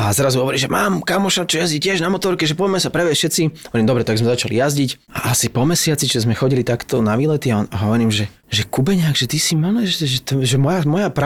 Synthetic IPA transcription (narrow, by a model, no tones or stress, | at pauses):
azɾazuɦɔʋɔɾiʒɛmaːmkamɔʃat͡ʃɔjazɟicɪɛʒnamɔt̪ɔɾkɛʒɛpɔmɛsapɾɛʋɛʃɛt̪t͡siɦɔʋɔɾiːmd̪ɔbɾɛt̪aɡzmɛzat͡ʃalḭjazɟic | aʔasipɔmɛsɪat͡sit͡ʃɛzmɛxɔɟilit̪akt̪ɔnaʋiːlɛt̪iaaɦɔʋɔɾiːmʒɛ | ʒɛkubɛɲaɡʒɛt̪isimalɛʒɛʒɛt̪ɔʒɛmɔjamɔjapɾ